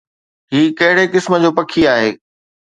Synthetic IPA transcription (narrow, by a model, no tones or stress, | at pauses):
ɦiːkɐɦɪɽekɪsmə̆d͡ʑoːpɐkʰiaːɦeː